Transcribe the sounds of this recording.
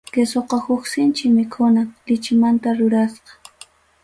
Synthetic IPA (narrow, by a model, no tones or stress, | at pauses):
kesoqɑhʊksɪnt͡ʃɪmɪkʰʊnalɪt͡ʃɪmant̪aɾʊɾasqɑ̥